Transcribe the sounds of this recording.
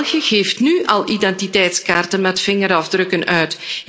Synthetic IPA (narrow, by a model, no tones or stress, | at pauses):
ɣəɣeːftnyʔɑlˠʔidɛntitɛjtskaːrtənmɛtfɪŋəɾɔfdrɵkənœɥt